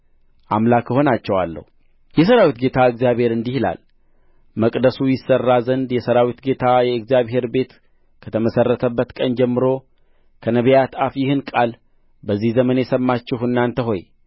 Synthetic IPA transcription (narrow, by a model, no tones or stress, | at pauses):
ʔamlakʰːəho̞nat͡ʃːɛwalːə̰hu | jɛs̬əɾawit̪ɡe̞t̪ʰaɨɡzijaβhe̞ɾɨnd̪ihla̰l | məkʼd̪əsujɪsːərːazənd̪jɛsəɾawit̪ɡe̞t̪ʰajɛɨɡzijaβɦe̞ɾbe̞t̪ | kʰət̪ʰəməsərːət̪ʰəbːət̪kʼənd͡ʒɛmːɨɾo̞ | kʰənəβjat̪afjɪhɨnkʼal | bəzːihzəmənjɛsəmːat͡ʃːɪhɨnːant̪ʰəɦo̞j